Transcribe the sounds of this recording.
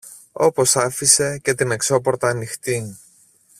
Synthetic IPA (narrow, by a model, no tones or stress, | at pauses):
o̞po̞sɐfise̞ce̞t̪ine̞kso̞po̞ɾt̪ɐːnixt̪iŋ